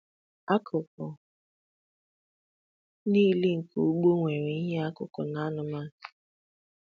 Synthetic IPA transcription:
a˦kʰʊ˨kɔ˨ | ni˦le˦ŋ̩˨ko˨˦ɡ͡bo˦ŋʷe˨ɾe˨i˦ɦe˦a˦kʊ̰˨kɔ˨na˨˦nʊ˨ma˦˨kḁ˨

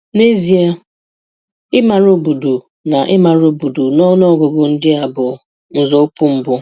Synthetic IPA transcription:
ne˦zi˨a˦ | ɪ˦ma˨ɾo˨bu˨du˨ | na˨ʔɪ˦ma˨ɾo˨bu˨du˨nɔ˦nɔ˦ɡo˨ɡʊ˨n̩˦dɪ˦a˨bʊ˨ | n̩˨zo˦pu˦m̩˨bʊ˦

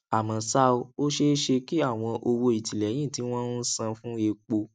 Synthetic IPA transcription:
a˨mã˨sa˦o˧o˦ʃe˦ʃe˧ki˦a˦˨w̃ɔ̃˧ʔo˧wo˧i˨ti˨lɛ˨˦j̃ĩ˦˨ti˨˦w̃ɔ̃˦sã˧fũ˦e˧k͡po˧

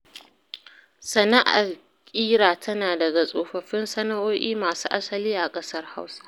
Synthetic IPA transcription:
sɐ˨na˦ʔa̰˨l | kʲʼiː˦ɽaː˨tʰɐ˦naː˨dɐ˨ɡa˨sʼoː˨ɸɐ˨ɸɪ˦nsɐ˦na˦ʔoː˦ʔiː˦maː˨suː˦ʔa˦sɐ˨liː˦ʔa˨kʼɐ˦sɐ˦rha˦wsḁ˦

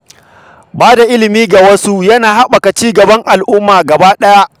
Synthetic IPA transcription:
baː˦da˨ʔɪ˦lɪ˨miː˦ɡa˨wɐ˦su˦jɐ˦naː˨ɦa˦ɓa˨ka˨t͡ʃiː˦ɡɐ˨bɐ˦ŋʔa˨lʔʊ˦mːaː˨ɡɐ˨baː˦ɗɐ˦ja˦ʔ

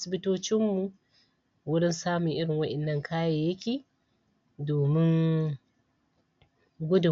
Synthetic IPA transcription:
sɪ˨bɪ˦toː˦t͡ʃɪ˦mːu˨ | wʊ˦ɽɪ˦nsaː˦mʊ˨ŋʔɪ˦ɽɪ˨ŋwɐ˦ʔɛ˨nːɐ˦ŋkʰaː˦jaː˨jɐ˦kʲeː˨ | doː˨mɪ˦ŋ | ɡʷʊ˦dʊ˨

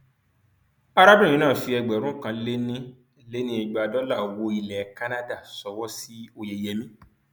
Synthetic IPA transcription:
a˧ɾa˦bĩ˦˨ĩ˨˧˦nãː˦˨fi˧ɛ˧ɡ͡bɛ˨ɾ̃ũ˦kã˧le˦nĩ˦ | le˦nĩ˦i˧˨ɡ͡ba˨˧˨dɔ˨˦la˦˨o˨wo˧˦i˧lɛ˨˦ka˦nã˦da˦˨sɔ˧wɔ˦si˦o˧je˧˨jɛ˧mĩ˦

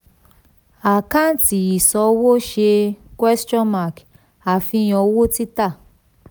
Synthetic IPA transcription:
a˨kã˦n˦ti˨i˨sɔ˨˧wo˦ʃe˧kwɛ˦st͡ʃɔ̃˦nma˦˨k | a˨fĩ˧j̃ɔ̃˧˦wo˦ti˦ta˦˨

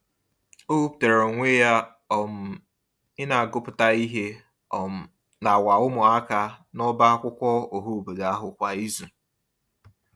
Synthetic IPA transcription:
o˦u˦p̚u̥˨te˨ɾo˨ŋʷe˦ja˦ | ɔ˨m̩˨ | ɪ˦na˨a˨ɡʊ˦pʊ˨ta˦i˦ɦe˦˨ | na˨wa˨ʊ˦mʊ˨a˦ka˦nɔ˦ba˦a˦kʷʊ˦kʷɔ˦o˨ɦo˦˨be˨ɡa˨a˦ɦʊ˨kʷa˨i˦zu˨

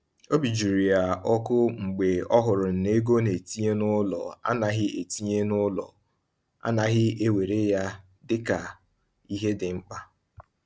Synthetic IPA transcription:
o˦bi˨d͡ʒu˨ɾi˨a˨ɔ˦kʊ˦ŋ͡m̩˨ɡ͡be˨ɔ˦ɦʊ˨ɾʊ˨n̩˨ne˦ɡo˦ne˨ti˦ɲe˦nʊ˦lɔ̰˨a̰˦na˨ɦɪ˦e˨ti˦ɲe˦nʊ˦lɔ̰˨ | a̰˦na˨ɦɪ˦e˦we˨ɾe˦ja˦ | dɪ˦ka˨ | i˦ɦe˦dɪ˨ŋ͡m̩˦k͡pa˦

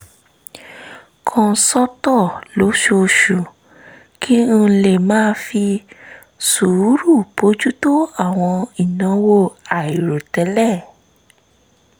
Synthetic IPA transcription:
kʰɔ̃˧˨sɔ˦tɔ˦˨lo˨˦ʃo˧ʃu˨ | kʰĩ˦˧le˦˨mãː˦fi˧ | su˨u˦ɾu˦˨po˨˦d͡ʒu˦to˦a˦˨w̃ɔ̃˧i˨nã˨˦wo˦˨a˨i˨ɾo˨tɛ˨˦lɛ˦˨

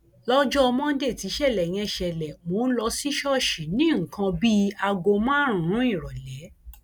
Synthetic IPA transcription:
lɔ˦d͡ʒɔ˦ɔ˧mɔ̃˦n̩˦de˦˨ti˨˦ʃɛ˦˨lɛ˨j̃ɛ̃˧˦˨ʃɛ˨lɛ˨mo˨˦n̩˦lɔ˧si˦ʃɔ˦˨ʃi˨˦nĩ˦ŋ̩˨kʰã˧bi˦a˧ɡo˧mãː˦ɾ̃ũ˨ɾ̃ũ˨˦i˦˨ɾɔ˨lɛ˨˦

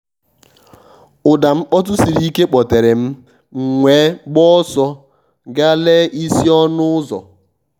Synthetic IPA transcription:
ʊ˨da˨m̩˦k͡pɔ˦t̬ʊ˦si˨ɾi˦ke˦k͡pɔ˨te˨ɾe˨m̩˦ | ŋ̩˨ŋʷeː˨˦ɡ͡bɔ˦sɔ˦ | ɡa˦le˦i˦si˦ɔ˦nʊ˦ʊ˦zɔ̰˨

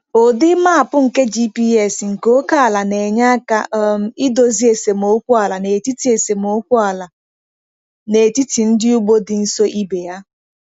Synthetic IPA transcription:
o˨dɪ˦ma˦a˨pʊ˦ŋ̩˨ke˦d͡ʒi˦pi˦ɛ˨sŋ̩˨ko˦ka˦a˨la˨ne˨ɲa˦ka̰˦m̩˦ɪ˦do˨zi˦e˨se˨m˨o˦kʷʊ˦a˨la˨ne˨ti˦ti˨e˨se˨m˨o˦kʷʊ˦a˨la˨ | ne˨ti˦ti˨n̩˦dɪ˦u˦ɡ͡bo˦dɪ˨n̩˦so˦ʔi˦be˨ja˦

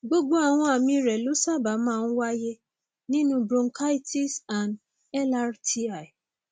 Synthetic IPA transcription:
ɡ͡bo˦ɡ͡bo˦a˨w̃ɔ̃˧a˨mĩ˧ɾɛ˨lo˨˦sa˦˨ba˨˦mãː˦˨n̩˦wa˦je˦ | nĩ˦nũ˦bɾõ˧ŋ˦kʰa˦i˦ti˦sa˨n | ɛ˦la˦ɾti˦a˨i˨

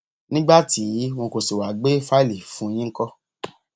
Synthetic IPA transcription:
nĩ˦ɡ͡ba˦ti˨˦w̃ɔ̃˧ko˨si˨wa˨ɡ͡be˦fa˦i˦li˨fũ˨˦˧j̃ĩ˦kɔ˦

